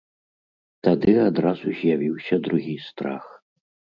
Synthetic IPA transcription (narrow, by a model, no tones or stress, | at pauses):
t̪ad̪ɨad̪ɾazuzʲjavʲiwsʲɐd̪ɾuɣʲist̪ɾa̰x